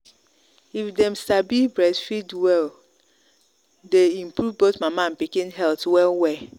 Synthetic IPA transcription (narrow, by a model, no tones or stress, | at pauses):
ifdɛmstabibɹɛsfidwɛl | deĩmpɹɾuvbotmamãn̩pikĩnɦɛltwɛlwɛ